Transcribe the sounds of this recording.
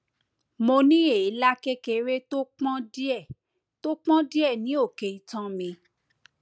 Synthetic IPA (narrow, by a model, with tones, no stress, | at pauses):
mo˧nĩ˦e˦˨i˨˦la˦ke˦ke˧ɾe˦to˦k͡pɔ̃˦di˦ɛ˦˨ | to˦k͡pɔ̃˦di˦ɛ˦˨nĩ˨˦o˦˨ke˨i˧tã˦mĩ˧